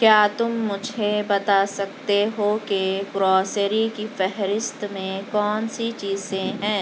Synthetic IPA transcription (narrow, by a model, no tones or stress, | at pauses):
kjaːt̪ʊmːʊd͡ʒʱebɐt̪asɐk̚t̪eɦokeɡɾɔːsəɾikifɛɦɾɪst̪mẽkɔːnsit͡ʃiːzẽɦɛ̃ː